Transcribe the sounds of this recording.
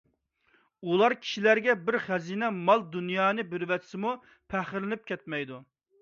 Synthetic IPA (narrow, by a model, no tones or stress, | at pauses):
ulˠɑɾkʲʰi̥ʃilæɾɡʲɛbɪɾχæziːnɛmɑlˠd̪unjɑːnɨbɪɾɪwɛt̪ʰsɪmu | pʰæχɪɾlɪnɪp̚kʲɛt̪̚mɛjd̪u